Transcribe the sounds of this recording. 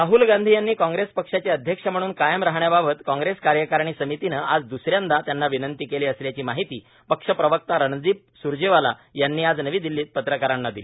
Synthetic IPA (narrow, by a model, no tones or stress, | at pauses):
ɾaɦuːlɡãnd̪ʱijanːiːkãŋɡɾespəkʂat͡ɕeəd̪ʱjəkʂam̤əɽ̃uːnkajəmɾaɦɳjababət̪kɔ̃ŋɡɾeskaɾjəkaɾɳ̃iːsəmit̪inəʔad͡zd̪usɾjãnd̪at̪janːaʋinənt̪iːkeliːəsljat͡ɕiːmaɦit̪iː | pəkʂəpɾəʋək̚t̪aɾəɳd͡ziːp̚ | suɾd͡ʑeʋala̰janːiːad͡znəʋiːd̪ilːiːt̪̚pət̪ɾəkaɾanːad̪ili